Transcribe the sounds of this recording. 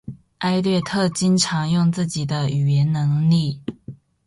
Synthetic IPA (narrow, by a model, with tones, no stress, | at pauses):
ʔa˥ɪlɥɛ˥˧t̪ʰɤ˥˨t͡ɕi˦nʈ͡ʂʰɑ˧˥ŋjʊ˥˧ŋt͡sɹ̩˥˩t͡ɕi˨˩d̪ə˦y˨˩ɥɛ˨˦nnə˧˥ŋli˥˨